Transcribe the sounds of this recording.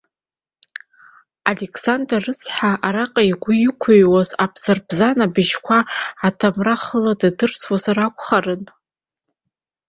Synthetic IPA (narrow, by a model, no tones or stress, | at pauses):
alekʰsandrarɨsħaʔaɾaqʼaiɡʷʊjɪkʷʰoɥwazabʰz̥arbzanabɨʒkʷʰaːtʰamraχəladadɨrswazarakʷʰʼχarɨn